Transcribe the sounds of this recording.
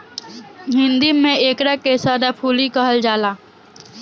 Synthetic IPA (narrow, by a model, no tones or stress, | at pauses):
ɦɪ̃nd̪imẽeːkɾakesad̪apʰuːlikəɦəld͡ʒaːlaː